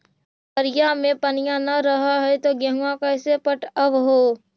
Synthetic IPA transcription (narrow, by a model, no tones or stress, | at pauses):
pəɾjamẽpɐnɪjãnɐɾɐɦaɦɛt̪oɡɐɦũãkɐːsepəʈəʋɦoː